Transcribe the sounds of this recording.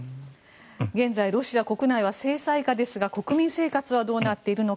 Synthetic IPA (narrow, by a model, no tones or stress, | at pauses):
ɡẽ̞nd͡zaiɾo̞ɕiako̞kɯ̟naiβase̞ːsaikad̪e̞sɨɡako̞kɯ̟mʲĩɰ̃se̞ːkat͡sɨβad̪o̞ːnat̪ːe̞iɾɯ̟no̞